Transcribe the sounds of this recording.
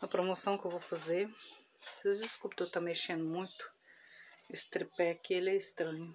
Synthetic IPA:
ɐpɾomosɐ̃w̃kewvofazeɾ | ed͡ʒɪskupɪt̪ewt̪ameʃẽnd̪ʊmũj̃t̪ʊ̥ | ɪst̪ɾepɛɐkielɛɪst̪ɾɐ̃ɲʊ

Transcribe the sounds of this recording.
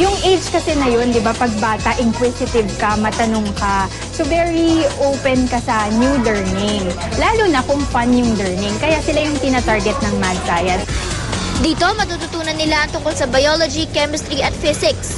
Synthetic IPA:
jʊŋʔejd͡ʒkɐsɛnɐjo̞nd̪ɪbapɐɡ̚baːt̪ɐʔɪŋkwɪsɪt̪ɪvkɐmɐt̪ɐnoŋkɐ | sovɛɹiʔowpɛnkɐsɐnjuːlɛɹnɪŋ | laːlunɐkʊŋfɐnjʊŋlɛɹnɪŋkɐjasɪlajʊŋt̪ɪnat̪aɹɡɛt̪̚nɐŋmad̪̚taːjɐn | d̪iːt̪o̞mɐt̪ut̪ʊt̪uːnɐnːɪlaɐŋt̪ʊŋkolsɐbɐjolod͡ʒikɛmɛst̪ɾiʔɐt̪fɪsɪks

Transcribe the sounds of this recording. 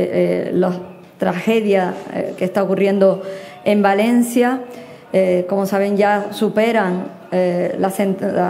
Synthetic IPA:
los | t̪ɾaxe̞ðjakest̪aokurje̞nd̪o̞ | ẽ̞mbalẽ̞nsja | ko̞mosaβe̞ŋʝasupe̞ɾaŋ | lasen

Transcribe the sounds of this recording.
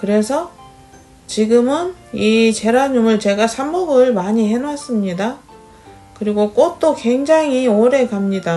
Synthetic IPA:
kɯɾe̞sʰʌ | t͡ɕiɡɯmɯn | it͡ɕe̞ɾaɲumɯɭt͡ɕe̞ɡasʰamːuɡɯɭmaɲiɦe̞nwas͈ɯmɲida | kɯɾiɡok͈ot̚t͈okwe̞ŋd͡ʑaŋioɾe̞kamɲida

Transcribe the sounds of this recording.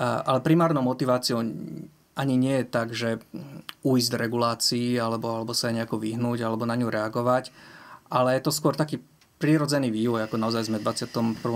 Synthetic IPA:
ʔa̰lɛpɾimaːɾnɔʊmɔt̪iʋaːt͡siɔʊ | ʔaɲiɲɪɛjɛt̪aɡʒɛ | uizɟd̪ɾɛɡulaːt͡siːalɛbɔalɛbɔsajɛɲɛakɔʋiɦnuːɟalɛbɔnaɲuɾɛaɡɔʋacʔalɛjɛt̪ɔskʊɔɾt̪akiː | pɾiːɾɔd͡zɛniːʋiːʋɔjakɔnaɔzajzmɛd̪ʋat͡sɪat̪ɔmpr̩ʋɔ

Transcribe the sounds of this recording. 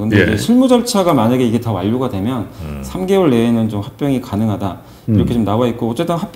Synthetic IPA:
kɯnded͡ʑe̞ɕʰiɭmud͡ʑʌɭt͡ɕʰaɡamaɲaɡe̞iɡe̞tawa̰ʎːuɡadwe̞mjʌnsʰamɡe̞wʌɭːe̞ːnɯnt͡ɕomhak̚p͈jʌŋikanɯŋɦada | iɾʌkʰe̞t͡ɕomnawait̚k͈oʌt͡ɕ͈e̞t͈ɯnhap

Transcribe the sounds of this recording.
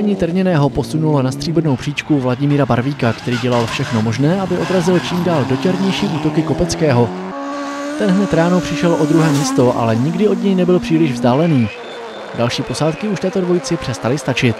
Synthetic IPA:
ɲit̪rɾɲɛnɛːɦo̞posunulonast̪r̥iːbrnowpr̥iːt͡ʃkuvlaɟɪmiːɾabaɾviːkakt̪ɛɾiːɟɛlalfʃɛxno̞mo̞ʒnɛːʔabɪʔo̞d̪ɾazɪlt͡ʃiːmdaːldo̞t͡ʃɛɾɲɛjʃiːʔuːt̪o̞kɪko̞pɛt͡skɛːɦo̞ | t̪ɛnɦnɛt̪ɾaːno̞pr̝̥ɪʃɛlʔo̞d̪ɾuɦɛːmiːst̪o̞ʔa̰lɛɲɪɡdɪo̞dɲɛjnɛbɪlpr̥iːlɪʒvzdaːlɛniː | dalʃiːpo̞saːt̪kɪuʃt̪ɛːt̪o̞dvo̞jt͡sɪpr̥ɛst̪alɪst̪at͡ʃɪt̪

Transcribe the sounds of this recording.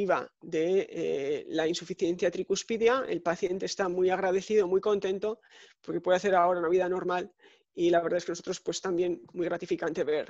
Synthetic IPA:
iβa̰ðe̞̰ | lainsufiθje̞nθjat̪ɾikuspiðjaḛlpaθje̞nt̪e̞ːst̪amwujaɣɾað̞e̞θiðo̞mujko̞nt̪ẽ̞nt̪o̞ | poɾkepwe̞ðaθe̞ɾao̞ɾaunaβiðano̞ɾmal | ilaβeɾðaeskenosot̪ɾo̞spwe̞st̪ambje̞nmujɣɾat̪ifikant̪e̞βe̞ɾ

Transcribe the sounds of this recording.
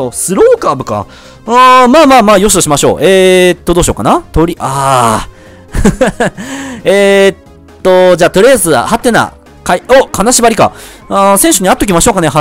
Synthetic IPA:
osɨɾoːkaːbɯ̟ka̰ | ɯ̃maːmaːmaːjos̬d̪oɕimaɕo̞̰ːʔet̪ːod̪o̞ːɕio̞̰ːkanat̪oɾʲiʔaː | et̪ːo̞d͡ʑaːt̪o̞ɾʲiazɨa̰hat̪ːe̞na̰ | kaiokʰanaɕibaɾʲika̰ | ãsẽ̞ɰ̃ɕoɲ̟iat̪ːo̞kʲimaɕoːkaneha

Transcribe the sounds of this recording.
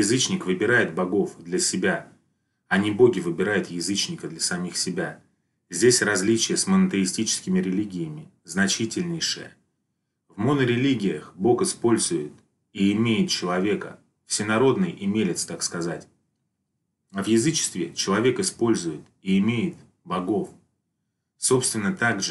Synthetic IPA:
jɪzɨt͡ɕnʲɪkvɨbʲɪɾajɪt̪̚bɐɡo̞fd̪lʲəsʲɪbʲa | ɐnʲɪbo̞ɡʲɪvɨbʲɪɾajʊt̪jɪzɨt͡ɕnʲɪkəd̪lʲəsɐmʲixsʲɪbʲa | zʲdʲesʲrɐzʲlʲit͡ɕɪjəsmənət̪ɨɪsʲtʲit͡ɕɪ̥skʲɪmʲɪɾʲɪlʲiɡʲɪjəmʲɪ | znɐt͡ɕitʲɪlʲnʲɪjʂɨ̰jə̰ | vmonəɾʲɪlʲiɡʲɪjəxbo̞kɨspo̞lʲzʊjɪt̪̚ | iɪmʲejɪt̪̚t͡ɕɪlˠɐvʲe̞kə̰ | fsʲɪnɐɾo̞d̪nɨjʔɪmʲelʲɪt̪st̪akskɐzatʲ | ɐvjɪzɨt͡ɕɪ̥st̪vʲɪt͡ɕɪlˠɐvʲe̞kɨspo̞lʲzʊjɪt̪iɪmʲejɪt̪̚ | bɐɡo̞f | so̞pst̪vʲɪnːət̪aɡʐ

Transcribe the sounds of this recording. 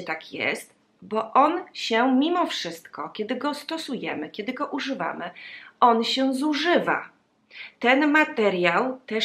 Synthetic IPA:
t̪akʰjɛ̰st̪ | bɔʔɔnɕɛmʲimɔfʂɘst̪kɔkʲɛd̪ɘɡɔst̪ɔsujɛmɘkʲɛd̪ɘɡɔʔuʐɘva̰mɘɔnɕɛzuʐɘva̰ | t̪ɛnmat̪ɛɾʲjawt̪ɛ

